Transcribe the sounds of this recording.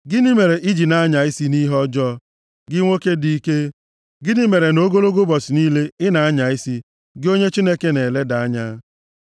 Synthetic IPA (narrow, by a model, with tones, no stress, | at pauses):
ɡɪ˦ni˦me˨ɾe˨ʔi˦d͡ʒi˨na˦a˦ɲa˨ɪ˦si˦ni˦ɦɔ˦d͡ʒɔ˦ | ɡɪ˦ŋʷo˦ke˦di˦i˦ke˦ | ɡɪ˦ni˦me˨ɾe˨no˦ɡo˦lo˦ɡo˦bɔ˨sɪ˨ni˦le˦ɪ˦na˨a˦ɲa˨ɪ˦si˦ | ɡɪ˦o˦ɲe˦t͡ʃi˦ne˦ke˦ne˨le˦da˨a˦ɲa˦